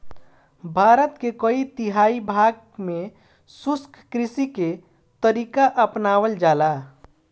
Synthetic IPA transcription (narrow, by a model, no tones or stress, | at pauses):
bʱaɾət̪kekəit̪iɦaibʱaɡ̚ | me | suskʰkɾisike | t̪əɾikaʔəpnawəld͡ʒala